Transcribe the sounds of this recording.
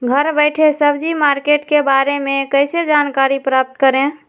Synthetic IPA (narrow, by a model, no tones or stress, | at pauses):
ɡʱəɾbəɪʈʰesəbd͡ʒimaɾkeʈkebaɾemekəɪsed͡ʒankaɾipɾap̚t̪kəɾẽ